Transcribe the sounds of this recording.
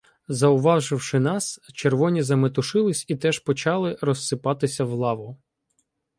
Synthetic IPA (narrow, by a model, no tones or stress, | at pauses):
zɐʊʋɑʒɪwʃɪnɑst͡ʃerʋɔnʲizɐmet̪ʊʃɪlˠɪsʲit̪ɛʃpɔt͡ʃɑlˠɪɾɔsːɪpɑt̪ɪsʲɐwlˠɑʋʊ